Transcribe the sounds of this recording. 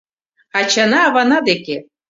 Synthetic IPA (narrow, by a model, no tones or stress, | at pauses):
at͡ʃʰanaːvanad̪ekʲe